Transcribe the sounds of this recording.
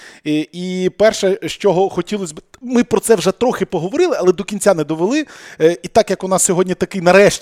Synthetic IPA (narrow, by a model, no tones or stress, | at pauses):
ipɛrʃɛʃt͡ʃɔɦɔxɔtʲilˠɔsʲbɪmɪpɾɔtsɛwʒɛt̪ɾɔxɪpɔɦɔʋɔɾɪlˠɪɐlˠɛd̪ɔkʲinʲt͡sʲanɛd̪ɔʋelˠɪit̪ɑkjɐkɔnɑsʲsʲɔɦɔdʲnʲit̪ɐkɪjnɐɾɛʃʲ